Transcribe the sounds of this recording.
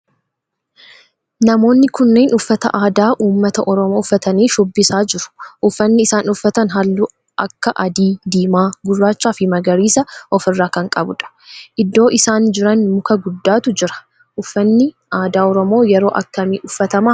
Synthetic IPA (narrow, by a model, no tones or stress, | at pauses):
nɐmo̞ːnːɪkʊnːe̞ːnʊfːɐt̪ɐ̰ʔaːd̪aːʔuːmːɐt̪ɐʔɔɾɔmoːʊfːɐt̪ɐniːʃʊbːɪsaːd͡ʒɪɾʊ̥ʔʊfːɐnːɪɪsaːnʊfːɐt̪ɐnɦɐlːuː | ʔɐkːɐʔɐd̪iːd̪iːmaːɡʊrːaːt͡ʃːaːfɪmɐɡɐɾiːsɐʔɔfɪrːaːkɐŋkʼɐbʊ̰ᶑɐ̥ | ʔɪd̪ːo̞ːʔɪsaːnd͡ʒɪɾɐnmʊkɐɡʊd̪ːaːt̪ʊd͡ʒɪɾɐ̥ | ʔʊfːɐnːɪ | ʔaːd̪aːɔɾɔmo̞ːjɛɾo̞ːʔɐkːɐmiːʔʊfːɐt̪ɐmaː